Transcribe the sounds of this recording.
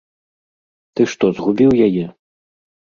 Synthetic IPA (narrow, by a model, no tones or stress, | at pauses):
t̪ɨʂt̪ɔzɣubʲiwjajɛ